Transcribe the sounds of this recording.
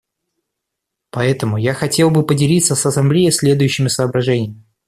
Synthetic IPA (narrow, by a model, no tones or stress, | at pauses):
pɐɛt̪əmʊjaxɐtʲe̞lˠbɨpədʲɪlʲit̪səsɐsɐmblʲejɪsʲlʲe̞d̪ʊjɕːɪmʲɪsəːbɾɐʐɛnʲɪjəmʲɪɪ